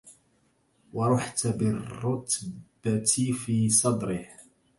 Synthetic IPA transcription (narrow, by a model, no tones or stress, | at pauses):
wɑɾˤʊħt̪abɪrːʊt̪b̥at̪ifiːsˤɑd̪ɾɪh